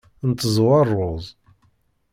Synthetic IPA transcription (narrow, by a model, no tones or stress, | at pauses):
nt̪ːəzˤwɑrˤːʊðˤ